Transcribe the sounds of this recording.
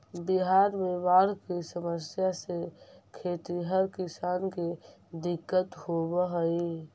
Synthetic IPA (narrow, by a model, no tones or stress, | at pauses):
biɦaɾmebaɽkesəməsjasekʰet̪iɦəɾkisanke | d̪ɪkːət̪hobəɦəi